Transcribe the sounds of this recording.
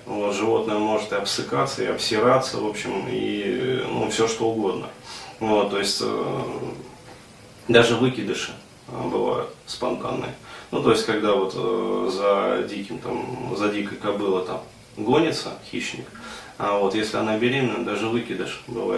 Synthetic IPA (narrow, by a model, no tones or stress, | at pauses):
vo̞t̪ʐɨvo̞t̪nəjəmo̞ʐɨt̪ɨɐpsɨkat̪sːəɪɐpsʲɪɾat̪sə̰vo̞pɕɪmḭnṵfsʲoʂt̪o̞ʊɡo̞d̪nə̰vo̞t̪ːo̞jɪsʲtʲ | d̪aʐɨvɨkʲɪd̪ɨʂɨ | bɨva̰jʊ̰t̪spɐnt̪a̰nːɨ̰jənut̪o̞ɪsʲtʲkɐɡd̪avo̞t̪zɐdʲikʲɪmt̪amzɐdʲikəjkɐbɨlˠət̪am | ɡo̞nʲɪt̪səxʲiɕnʲɪk | ɐvo̞t̪jesʲlʲɪɐnabʲɪɾʲimnəjd̪aʐɨvɨkʲɪd̪ɨʂbɨ̰va̰ɪt̪